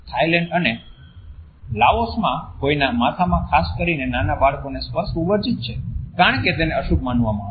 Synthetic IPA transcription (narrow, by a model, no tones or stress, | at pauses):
t̪ʰajlɛ̃ɳɖəne | laosmãkoinamat̪ʰamãkʰaskəɾinenanabaɭkonespəsubəɾd͡ʒit̪̚t͡ʃʰekaɳ̃ket̪eneəʃukmanʋamãae